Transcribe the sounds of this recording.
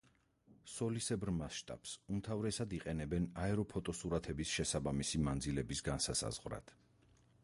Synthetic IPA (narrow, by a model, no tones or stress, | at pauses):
sɔlisɛbɾmasʃt̪ʼa̰psumt̪ʰavɾɛsad̪iqʼɛnɛbɛnaɛɾɔpʰɔt̪ʼɔsuɾat̪ʰɛbisʃɛsabamisimand̪zilɛbisɡansasa̰z̥ʁvɾa̰t̪ʰ